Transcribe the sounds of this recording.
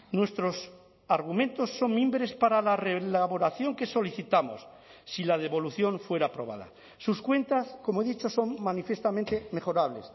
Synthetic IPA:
nwe̞st̪ɾo̞s | aɾɣ̞umẽ̞nt̪o̞sːo̞ŋmĩmbɾe̞spaɾalarelaβo̞ɾaθjo̞ŋke̞so̞liθit̪amosː | ilað̞e̞βo̞luθjo̞ɱfwe̞ɾaːpɾo̞̰β̞a̰ða̰ | suskwe̞nt̪asko̞moe̞ðit͡ʃoso̞ŋmanifje̞st̪amẽnt̪eme̞χo̞ɾaβle̞s

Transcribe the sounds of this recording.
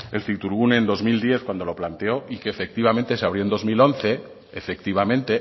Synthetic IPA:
e̞lθikt̪uɾɣunend̪o̞zmild̪je̞θkwand̪o̞lo̞plant̪e̞o̞ʔike̞ːfe̞k̚t̪iβamẽ̞nt̪e̞seaβɾjo̞nd̪ozmilo̞n̟θe̞ː | fe̞k̚t̪iβ̞amẽnt̪e̞

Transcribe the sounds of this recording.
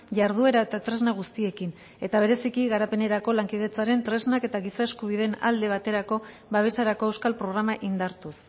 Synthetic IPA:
ʝaɾðue̞ɾae̞t̪at̪ɾe̞znaɣ̞ust̪ie̞kin | e̞t̪aβe̞ɾe̞sikiɣaɾape̞ne̞ɾako̞laŋkið̞e̞t͡saɾe̞nt̪ɾe̞znake̞t̪aɣisae̞skuβ̞iðe̞na̰ld̪e̞β̞at̪e̞ɾako̞ | βaβ̞e̞saɾako̞e̞wskalpɾo̞ɣ̞ɾamaʔind̪aɾt̪us

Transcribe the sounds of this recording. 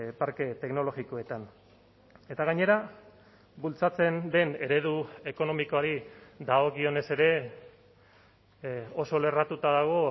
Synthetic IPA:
paɾke̞t̪e̞kno̞lo̞ɣiko̞e̞t̪an | e̞t̪aɣaɲe̞ɾa | bult͡sat͡se̞nd̪e̞ne̞ɾe̞ðue̞ko̞no̞mikoaɾid̪aoɣio̞ne̞se̞ɾe̞ | o̞so̞le̞rat̪ut̪aðaɣ̞o̞

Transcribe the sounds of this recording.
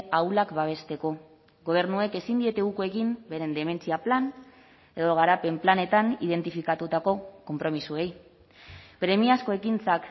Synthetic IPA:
awlakbaβ̞e̞st̪e̞ko̞ | ɣo̞β̞e̞ɾnueke̞sind̪ie̞t̪e̞ɣukoe̞kimbe̞ɾe̞nd̪e̞me̞nt͡siaplan | e̞ðo̞ɣ̞aɾape̞mplane̞t̪aniðe̞nt̪ifikat̪ut̪ako̞ko̞mpɾo̞misue̞j | pɾe̞miasko̞e̞kint͡sak

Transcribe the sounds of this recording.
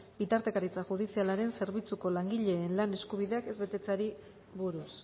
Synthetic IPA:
bit̪aɾt̪e̞kaɾit͡saʝuð̞isialaɾe̞nse̞ɾβ̞it͡suko̞laŋɡiʎe̞ːnlane̞skuβ̞iðe̞ake̞zβe̞t̪e̞t͡saɾi | βuɾus

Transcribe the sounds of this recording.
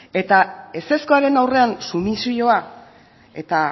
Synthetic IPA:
e̞t̪ae̞se̞sko̞aɾe̞nawre̞ansumisio̞a | e̞t̪a

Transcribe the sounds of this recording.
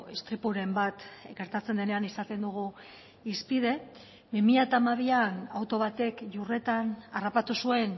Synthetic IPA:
est̪ɾipuɾe̞mbat̪ɡe̞ɾt̪at͡se̞nd̪e̞ne̞anisat̪e̞nd̪uɣ̞u | ispið̞e̞ | bimiʎat̪aːmaβ̞ianawt̪o̞β̞at̪e̞kʝure̞t̪anarapat̪usue̞n

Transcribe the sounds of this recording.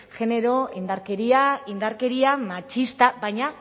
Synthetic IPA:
ʝe̞ne̞ɾo̞ind̪aɾkeɾiaind̪aɾke̞ɾiamat͡ʃist̪abajɲa

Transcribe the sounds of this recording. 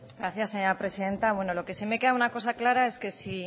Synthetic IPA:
ɡɾaθjasːeɲo̞ɾapɾe̞siðe̞nt̪aβwe̞no̞lo̞ke̞seme̞ke̞ðaunako̞s̬aklaɾae̞ske̞si

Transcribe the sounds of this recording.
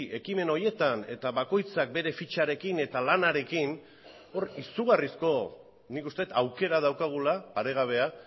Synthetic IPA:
ʔe̞kime̞no̞je̞t̪ane̞t̪aβako̞jt͡sak̚be̞ɾe̞fit͡ʃaɾe̞kine̞t̪alanaɾe̞kin | o̞risuɣ̞arisko̞ | nikust̪e̞t̪awke̞ɾað̞awkaɣ̞ulapaɾe̞ɣ̞aβ̞e̞a

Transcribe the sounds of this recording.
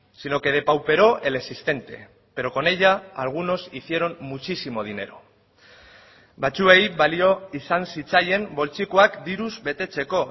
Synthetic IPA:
sino̞ke̞ð̞e̞pawpe̞ɾo̞ʔe̞le̞ksist̪e̞nt̪e̞ | pe̞ɾo̞ko̞ne̞ʝaalɣ̞uno̞siθie̞ɾo̞mmːut͡ʃisimo̞ð̞ine̞ɾo̞ | bat͡sue̞jβalio̞isansit͡saje̞mbo̞lt͡sikoakd̪iɾuzbe̞t̪e̞t͡se̞ko̞

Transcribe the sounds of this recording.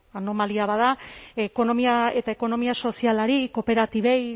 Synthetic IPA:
ano̞maliaβaðaeko̞no̞miae̞t̪ae̞ko̞no̞miaso̞sialaɾiko̞pe̞ɾat̪iβe̞j

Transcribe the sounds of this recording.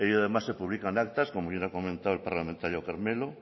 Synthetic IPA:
eʎoaðemasepuβlikanak̚t̪askomoβjenakomẽnt̪awelpaɾlamẽnt̪aɾjokaɾmelo

